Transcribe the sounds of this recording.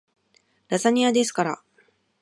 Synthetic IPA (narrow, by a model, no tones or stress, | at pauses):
ɾazaɲ̟iad̪e̞sɨ̥kaɾa̰